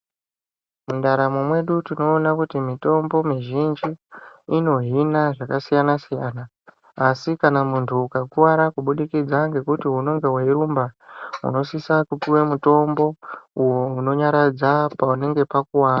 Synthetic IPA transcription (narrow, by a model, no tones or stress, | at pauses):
mundaɾamomwe̞ɗutino̞ːnakutimito̞mbo̞miʒind͡ʒiːno̞ɦinaʐakasijanasijaːnaː | sikanamuntʰuːkakuwaɾakuɓuɗikid͡zaŋɡe̞kutiɦuno̞ŋɡe̞waiɾumbaṵno̞sisakupiwemuto̞mbo̞ujo̞uno̞ɲaɾad͡zapaune̞ŋɡe̞pakuwaːra